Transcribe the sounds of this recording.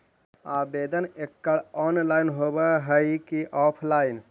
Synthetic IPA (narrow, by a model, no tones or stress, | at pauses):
abed̪ənekːəɭɔnlaɪnɦobəɦəɪkiʔɔpʰlaɪn